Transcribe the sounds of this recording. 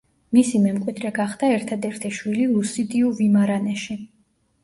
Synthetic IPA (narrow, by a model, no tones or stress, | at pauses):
misimɛmkʼwid̪ɾɛɡaχd̪̥aɛɾt̪ʰad̪ɛɾt̪ʰɛʃwiliusid̪iuvimaɾanɛʃi